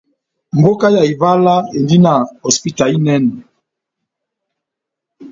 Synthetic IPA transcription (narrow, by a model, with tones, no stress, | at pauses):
m̩˨bo˦ka˦ja˨i˨va˦la˦e˨ndi˦na˨ɔ˨spi˦ta˨li˦nɛ˦nɛ˨